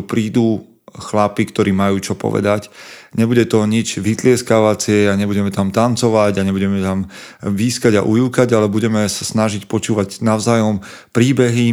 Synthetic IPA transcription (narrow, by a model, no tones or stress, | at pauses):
pɾiːd̪uː | xlapikt̪ɔɾiːmajuːt͡ʃɔpɔ̰ʋɛ̰d̪acɲɛbuɟɛt̪ɔɲid͡ʒʋit̪lɪɛskaʋat͡sɪɛaɲɛbuɟɛmɛt̪amt̪ant͡sɔʋaɟaɲɛbuɟɛmɛt̪amviːskaɟa̰ʔujukaɟalɛbuɟɛmɛsḁsnaʒicpɔt͡ʃuːʋaɟnaʊzaːjɔm | pɾiːbɛɦi